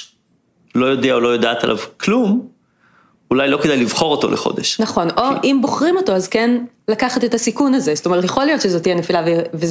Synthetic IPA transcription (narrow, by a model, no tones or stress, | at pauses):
lo̞jo̞dɛaolo̞jod̪aːt̪a̰lʔa̰vklum | ulajlo̞kedajlivχo̞ʁot̪o̞̰lʔeχo̞̰deʃnaχo̞nʔo̞ʔimboχʁimo̞to̞azken | lakaχat̪et̪asikunazest̪omet̪jeχo̞lijo̞t̪ʃezo̞t̪ijenefilaveve